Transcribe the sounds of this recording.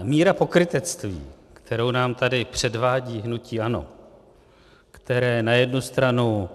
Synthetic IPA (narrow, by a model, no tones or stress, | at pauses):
miːɾapo̞kɾɪt̪ɛt͡st̪vḭː | kt̪ʰɛɾo̞wnaːmt̪adɪpr̝̥ɛdvaːɟiːɦnuciːano̞̰ | kt̪ɛɾɛːnajɛdnust̪ɾanu